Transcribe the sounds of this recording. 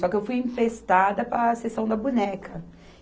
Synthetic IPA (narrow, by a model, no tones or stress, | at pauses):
sɔkɪewfujẽpɾest̪ad̪ɐpɾɐsesɐ̃w̃d̪ɐbunɛkʰɐ